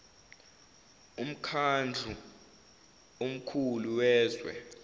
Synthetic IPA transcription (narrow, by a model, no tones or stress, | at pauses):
um̩kʰand͡ɮʱu | om̩kʰuluwɛːzwɛ̰